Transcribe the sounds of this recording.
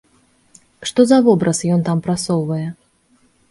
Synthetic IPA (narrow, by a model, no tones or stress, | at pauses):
ʂt̪ɔzɐvɔbɾɐsjɔnt̪ampɾasɔwvɐjɛ